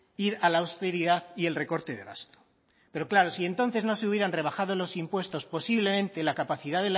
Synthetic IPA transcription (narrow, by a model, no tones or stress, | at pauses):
iɾalaːwst̪e̞ɾiðaθie̞lre̞ko̞ɾt̪e̞ðe̞ɣa̰st̪o̥ | pe̞ɾo̞klaɾo̞sie̞nt̪o̞nθe̞znoseuβjeɾanre̞β̞axað̞olo̞simpwe̞st̪o̞spo̞siβle̞mẽnt̪e̞lakapaθiðaðel